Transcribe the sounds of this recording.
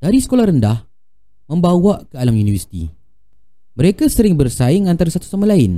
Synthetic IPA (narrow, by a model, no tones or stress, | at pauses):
d̥aɾisə̥kolahɾəndah | mə̃mbawaʔkəalamjunivərsi̥t̪ḭ | mə̃ɾekasəɾɪŋbərsaɪŋant̪aɾasat̪u̥samalaɪn